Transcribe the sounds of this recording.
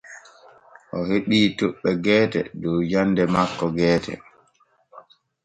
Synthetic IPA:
ʔɔheɓiːtoɓːɛɡɛːtɛ̰dɔwd͡ʒanːdɛmakːɔɡɛːtɛ̰

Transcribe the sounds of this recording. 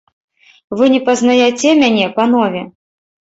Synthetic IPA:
vɨnʲɛpɐznajɛt͡sʲɛmʲanʲɛpanɔvʲɛ

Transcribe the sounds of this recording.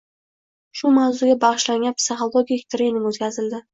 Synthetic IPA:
ʃʊmawzʊɡʲabɑʁɨʃlaŋɡʲanpsɪχolˠoɡʲikʲt̪ʰɾenɪmot̪kʲʰazɪld̪ɪ

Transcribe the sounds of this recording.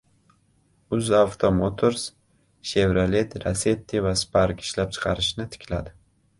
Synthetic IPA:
ʊzavt̪ʰomot̪ʰoɾs | ʃevɾalet̪ɾase̞t̪ʰːevaspʰaɾkɪ̥ʃlap̚t͡ʃʰɨ̥qʰɑɾɪʃnɪt̪ʰɪ̥kʲʰlad̪ɪ

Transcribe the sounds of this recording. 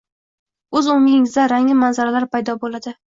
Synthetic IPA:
ɵzʊŋɪɪŋɪzd̪aɾaŋɪmanzaɾalaɾpajd̪ɒbolad̪ɪ

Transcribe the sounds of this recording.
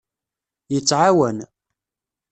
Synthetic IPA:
jət͡sːʕawən

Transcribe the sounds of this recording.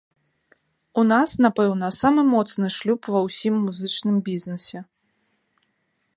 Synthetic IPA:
unasnapɛwnɐsamɨmɔt̪snɨʂlʲupvɐwsʲimːuzɨt͡ʂnɨmbʲiznɨsʲɛ

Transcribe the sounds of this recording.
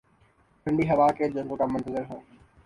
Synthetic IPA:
pəɳɖiːɦɐʋaːkeːd͡ʑoːkoːʈaːmʊnt̪əzɪɾɦoː

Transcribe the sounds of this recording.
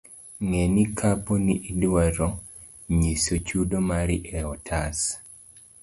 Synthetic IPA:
ŋenikʰapɔniʔidwaɾo | ɲisot͡ʃudomaɾɪʔɛɔtʰas

